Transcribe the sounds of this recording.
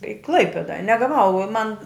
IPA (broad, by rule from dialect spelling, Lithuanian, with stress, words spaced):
ɪ ˈklˠɐɪpʲeːdɐ nʲɛ ɡɐˈʋɐʊ oː mɐn